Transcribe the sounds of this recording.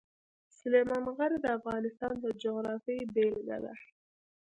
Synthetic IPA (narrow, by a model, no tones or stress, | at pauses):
sʊlemɑnɣaɾid̪əafɣɑnɪst̪ɑnd̪əd͡ʒoɣɾɑfijbelɡa̰la̰